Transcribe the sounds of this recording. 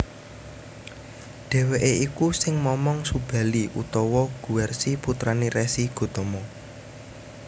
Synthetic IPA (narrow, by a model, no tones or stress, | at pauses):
ɖ̥e̤weʔeikusɪŋmɔmɔŋsub̥a̤liʔut̪ɔwɔɡ̥ṳɛrsiput̪ɾaniɾɛsiɡ̥o̤t̪ɔmɔ